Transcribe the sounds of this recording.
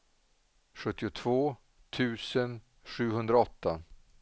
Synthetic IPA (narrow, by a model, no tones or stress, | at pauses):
ɧɵt̪ːɪʊt̪ʰv̥oː | t̪ʰʉ̟ːsən | ɧʉ̟ːɦɵnd̪ɾaɔt̪ʰːa